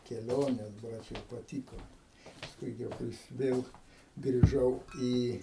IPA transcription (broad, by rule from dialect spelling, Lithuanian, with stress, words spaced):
kʲɛˈlʲoːnʲeːs ˈbrɐt͡ʃ jɛʊ pɐˈtʲiːkoː pɐˈskʊɪ ɡʲɪ jɛʊ ˈkɐɪs ˈʋʲeːlˠ ɡrʲɪˈʒɐʊ ˈiː